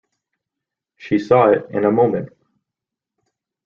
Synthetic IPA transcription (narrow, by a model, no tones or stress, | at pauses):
ʃisɔɪɾɨ̰̃nəmõʊ̃mɨ̃nt̚